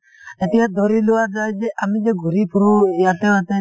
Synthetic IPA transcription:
ɛt̪iad̪ɔɾiloadad͡ʒeʔamĩd͡ʒeɡoɾipuɾujat̪ɛ̃at̪ɛ̃

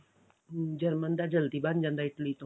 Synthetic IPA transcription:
d͡ʒəɾmənd̪ad͡ʒəld̪iband͡ʒand̪ait̪lit̪o

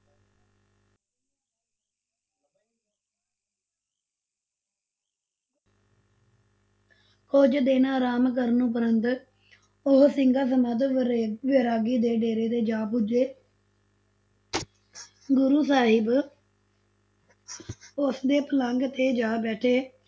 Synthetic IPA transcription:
koːd͡ʒd̪eːnaːɾaːmkəɾnũːpəɾənt̪ | ʊɦsɪŋɡaːs̬əmət̪ʋɪɾaːɡiːd̪eːɖeːɾeːt̪eːd͡ʒaːpʊd͡ʒeː | ɡʊɾuːsaːɦɪb | ʊsd̪eːpələŋɡt̪eːd͡ʒaːbɛːʈʰeː

